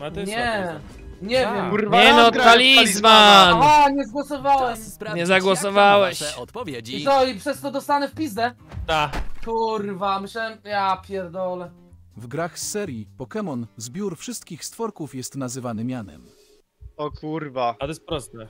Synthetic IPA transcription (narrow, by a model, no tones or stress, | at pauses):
ɲɛ | ɲɛvjɛmɲɛnɔt̪alʲizvanaɲɛzɡwɔsɔvawɛmɲɛzaɡwɔsɔvawɛɕɔt̪ɔvʲjɛɔipʂɛst̪ɔd̪ɔst̪anɛfpʲizd̪ɛt̪akʰuɾvamɘɕlɛjapʲjɛɾd̪ɔlɛ | vɡɾaxsɛɾʲjipɔkɛmɔnzbʲjuɾfʂɘst̪kʲixst̪fɔɾkufjɛst̪nazɘvanɘmʲjanɛ̰m | ɔkʰuɾvat̪ɔɛspɾɔst̪ɛ